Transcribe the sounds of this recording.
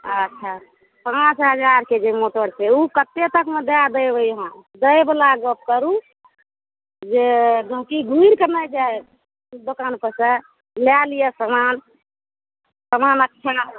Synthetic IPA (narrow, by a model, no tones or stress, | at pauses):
ətːʃʰa | pãt͡ʃɦəd͡ʒaɾked͡ʒemoʈəɽseukət̪ːet̪əkmed̪ead̪əjbəjɦãd̪əjblaɡəb̚kəɾu | d͡ʒed̪ʱəkiɡʱuiɾkənajd͡ʒaj | d̪okanpəsə | ljalijəsəman | səmanəkːʃʰa